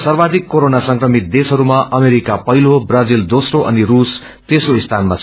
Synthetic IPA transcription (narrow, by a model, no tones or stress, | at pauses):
sʌrbad̪ʱikːoɾonasʌŋkrʌmit̪̚d̪esɦʌɾumaʔʌmeɾikapʌɦilobrʌd͡zild̪osroʔʌ̰nirus | t̪esroist̪ʰanmat͡sʰ